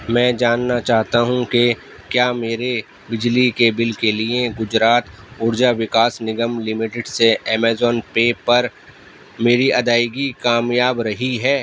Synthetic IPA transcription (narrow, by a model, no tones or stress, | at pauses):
mɛ̃ːd͡ʒaːnːat͡ʃaːɦt̪aɦũke | kjaːmeːɾe | bɪd͡ʒlikebɪlkelieɡʊd͡ʒɾaːt̪ | ʊɾd͡ʒaʋɪkaːsnɪɡəmlɪmɪʈɪɖseɛːmeːzɔːnpeːpɐɾ | meːɾiʔɐd̪aːɪɡikaːmjaːbɾɐɦiɦɛː